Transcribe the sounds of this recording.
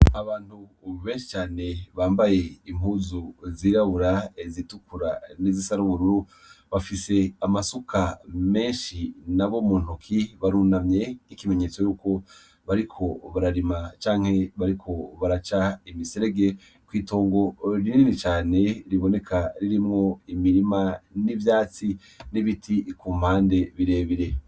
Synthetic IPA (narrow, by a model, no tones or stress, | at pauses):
aβaːnthu | βe̞ːnʃi̥t͡ʃaːne̞βaːmbaje̞imuzuziːɾaβuɾazitukuɾa̰nizisaɾuβuɾuɾu | βafise̞amasukʰame̞ːnʃinaβo̞muːn̥okʰiβaɾuːnamɲe̞ikime̞ɲe̞ːt͡so̞juːko̞ | βaɾikʰo̞βaɾaɾimat͡ʃaːŋ̥he̞βaɾikʰo̞βaɾat͡ʃaimiseɾe̞ɡe̞ | kwiːto̞ːŋɡo̞ɾininit͡ʃaːne̞ɾiβo̞ne̞kʰaɾiɾimŋo̞imiɾimanivjaːt͡si | niβitʰikum̥aːnde̞βiɾe̞ːβiɾe̞